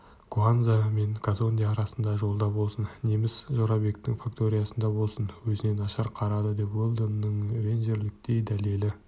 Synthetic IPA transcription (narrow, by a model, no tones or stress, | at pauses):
kuanzame̞ŋkʰazo̞nʲd̪ijaːɾɑsənd̪ɑʒo̞lˠd̪ɑbo̞lˠsənːemɪsʒoɾɑbe̞kt̪ɪŋfakt̪o̞ɾʲijasənd̪ɑbo̞lˠsənwɵzɪne̞nɑʃɑɾqʰɑɾɑd̪əd̪e̞pwolˠd̪ənnəɴɾe̞nʒe̞ɾlɪk̚t̪e̞jd̪æle̞lɪ